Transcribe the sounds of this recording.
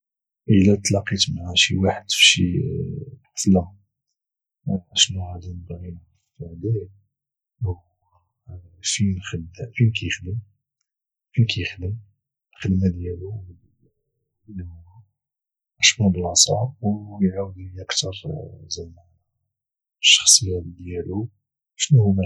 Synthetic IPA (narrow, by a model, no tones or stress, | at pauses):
ʔəlæt̪ˤːlɑqit̪maʕaʃiwaħəd̪fʃḭ | ħfla | ʕæʃnuʕad̪ænəbɣi | fd̪æj | finxəd̪finkæjəxd̪əm | finkʰæjəxd̪əm | lxəd̪mæd̪jælu | n | ʕæʃmæd̪lɑsˤɑ̰wjʕawd̪uʔəkt̪ɑɾˤzæa | ʃːɑ̥xsˤəjːad̪jælu | ʃnuhumæ